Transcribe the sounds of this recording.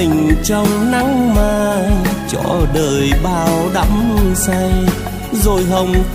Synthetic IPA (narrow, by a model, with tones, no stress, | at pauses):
ï˨˩ŋ̟t͡ɕɔ˧wŋ͡mna˨˧˥ŋmaː˧˨˩t͡ɕɔ̰˧˩ɗəː˨˩jɓaː˧˨˩wɗa̰˧˥msa˧j | zo˨˩jɦə˧wŋ͡m